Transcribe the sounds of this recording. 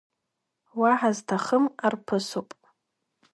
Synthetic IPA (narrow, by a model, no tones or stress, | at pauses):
waħaztʰaχəmarpʰɨsopʼ